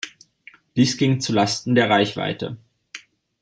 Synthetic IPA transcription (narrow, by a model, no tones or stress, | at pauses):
d̥iːsɡ̥ɪŋt͡sulastn̩deːɐʁaɪçv̥a̰ɪtə̰